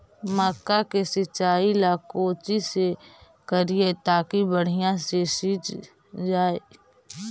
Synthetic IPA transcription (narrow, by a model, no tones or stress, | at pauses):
maːkːakesɪt͡ʃːaːilaːkoːt͡ʃise | kəɾiet̪aːkibəɽ̤ijãsesiːt͡ʃ | d͡ʒaːeː